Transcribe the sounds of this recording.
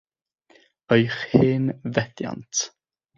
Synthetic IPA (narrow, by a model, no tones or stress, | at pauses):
əjχhɪːnvɛdja̰ntʰ